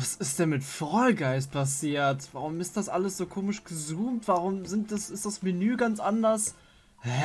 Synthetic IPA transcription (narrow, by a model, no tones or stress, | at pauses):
vasɪst̚d̥ɛmɪtfʁɔlɡaɪspʰasiːɐtv̥aʁʊmɪst̚d̥asʔaləsz̥oːkʰoːmɪʃɡ̥əzuːmtv̥aʁ̞ʊmzɪnt̚d̥asɪstd̥asmɪnyːɡant͡sʔandɐs | hɛ